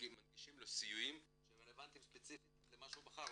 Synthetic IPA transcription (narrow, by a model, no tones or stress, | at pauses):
madɡiʃimlosijujim | ʃeʁele̞vant̪imspet͡sifit̪lemaʃuubaχaʁ